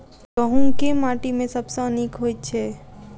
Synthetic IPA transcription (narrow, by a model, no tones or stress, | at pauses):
ɡəɦũŋkemaːʈimẽsəbsəənikɦoːjt̪t͡ʃʰe